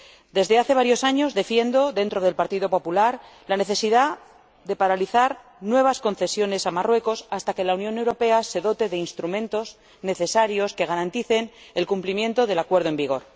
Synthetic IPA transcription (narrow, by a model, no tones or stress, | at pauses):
d̪e̞zðe̞aθe̞β̞aɾjo̞saɲo̞zðe̞fje̞nd̪o̞ðe̞nt̪ɾo̞ð̞e̞lpaɾt̪iðo̞po̞pulaɾlane̞θe̞siða | ðe̞paɾaliθaɾ | nwe̞β̞asko̞nθe̞sjo̞ne̞samarwe̞ko̞sast̪ake̞launjo̞ne̞wɾo̞pe̞ase̞ðo̞t̪e̞ðe̞inst̪ɾumẽ̞nt̪o̞z | ne̞θe̞saɾjo̞ske̞ɣ̞aɾant̪iθe̞nelkumplimje̞nt̪o̞ðe̞lakwe̞ɾð̞oe̞mbiɣ̞o̞ɾ